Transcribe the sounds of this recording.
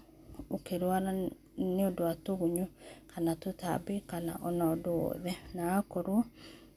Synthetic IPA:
okeɾwaɾa | neodoatoɣuɲokanatota̰bikana̰ʔɔnaɔdoɔ̰ðɛnaakɔɾo

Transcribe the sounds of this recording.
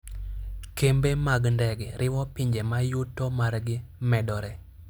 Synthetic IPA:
kembemaɡndɛɡɾʔɪwɔpiɲd͡ʒemajutːɔmarɡɪmɛdɔɾɛ

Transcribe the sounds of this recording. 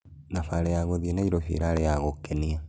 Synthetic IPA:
nafaɾejaɣoðienaiɾofḭɾaːɾejaɣokenia

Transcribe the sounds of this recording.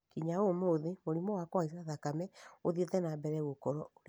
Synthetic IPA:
kiɲaomoːðemoɾimɔwakɔaiaðakamɛoðietɛnabɛɾɛɣokɔɾɔɾ

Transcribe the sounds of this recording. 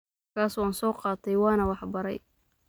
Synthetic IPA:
kʰaːswɑːnsɔːqɑːt̪ʰɛjwɑːnɐwɑħbɐɾɛ̰j

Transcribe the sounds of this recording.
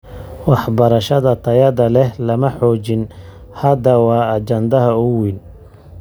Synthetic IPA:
wɑħbɐɾɐʃɐðɐt̪ʰɐjɐðɐlɛlɐmɐħɔːt͡ʃɪn | hɐd̪ɐwɑːɐt͡ʃɐnd̪ɐɦɐʊwɪn

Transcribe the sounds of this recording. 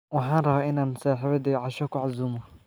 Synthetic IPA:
wɑħɑːnrɐβaːʔɪnaːmʊsaːħɪβɐd̪iːʕɑʃɐkʊʕazuːmɐ

